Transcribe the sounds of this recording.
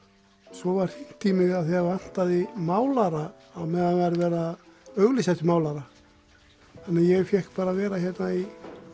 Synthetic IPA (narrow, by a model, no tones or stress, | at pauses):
sɔvaɾ̥θin̥t̪ʰimɪɣaðθɛɣavan̥t̪aðɪmaːwlaɾaː | mɛðhanvaɾvɛːɾaœɣlɪsat̪maːwlaɾa | hanːajɛɣfjɛhkpaːɾavɛːɾaçjɛt̪nai